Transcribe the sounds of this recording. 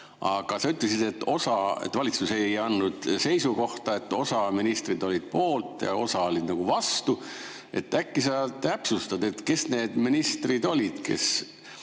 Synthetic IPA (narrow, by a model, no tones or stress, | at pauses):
ɑɡ̥ɑsɑyt̪lesid̪̥e̞t̪ːˑo̞sɑe̞̰t̪vɑlʲit̪suse̞jɑnːud̪̥se̞jsuko̞ht̪ɑe̞t̪ːo̞sɑminist̪rid̪̥o̞lʲid̪̥̚po̞ːlt̪ːˑjɑ̰o̞̰sɑo̞lʲid̪̥nɑɡ̥uvɑst̪u | e̞̰t̪ːˑækːisɑt̪æpsust̪ɑd̪e̞t̪ke̞sne̞ːd̪̥minist̪rid̪o̞lʲid̪̥ke̞̰s